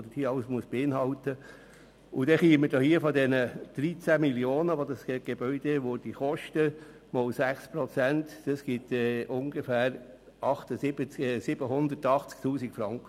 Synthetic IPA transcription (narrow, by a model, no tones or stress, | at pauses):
d̥̪ədiɑlsmuəsb̥eɪnɦɑlt̪ə | ʊd̥̪ɛχiːəmədohiəfɔd̪ɛnəd̥ɾit͡sæmiljoːnəʋod̪ɑsɡɛɡ̥eb̥œʏd̥̪eʋod̥iχɔʃtə | mɔlsæχspɾɔt͡sænt̪d̥ɑsɡ̥it̪ɛʔʊŋɡefæːɾ | ɑχt̪əsɪbət͡sːsɪb̥əɦʊnd̪ətɑχt͡skt̪uːsikfɾɑŋkə